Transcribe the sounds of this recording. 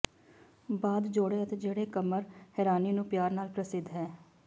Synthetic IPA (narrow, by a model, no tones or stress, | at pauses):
baːd̪d͡ʒoːɽeːət̪eːd͡ʒeːɽeːkəməɾhɛːɾaːniːnũːpjaːɾnaːlpɾəsɪd̪ɦɛː